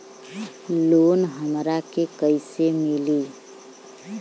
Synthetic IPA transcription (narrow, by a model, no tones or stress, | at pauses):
lonɦəmɾakekəɪsemili